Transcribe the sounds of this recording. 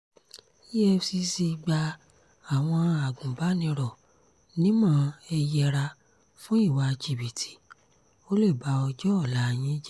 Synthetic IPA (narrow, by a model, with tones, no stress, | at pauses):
i˦ɛ˦fsi˧si˧ɡ͡ba˧ | a˨w̃ɔ̃˧a˨ɡũ˨ba˨˦nĩ˧ɾɔ˨ | nĩ˦mã˦ɛ˧jɛ˧ɾa˧ | fũ˦i˦˨wa˧d͡ʒi˨bi˨tʰi̥˨ | o˦le˦˨ba˨˧ɔ˧d͡ʒɔ˦ɔ˦˨la˨˦˨j̃ĩ˦d͡ʒɛ˦